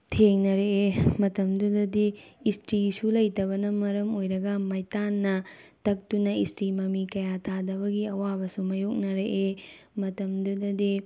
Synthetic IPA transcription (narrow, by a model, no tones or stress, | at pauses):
tʰeŋnɐɾeemɐtɐmdudɐdiːstɾisulɐjtɐβɐnɐmɐɾɐmojɾɐɡɐmɐjtanːɐtɐk̚tunɐistɾimɐmikɐjatʰadɐβɐɡiɐwabɐsumɐjok̚nɐɾeʔemɐtɐmdudɐdi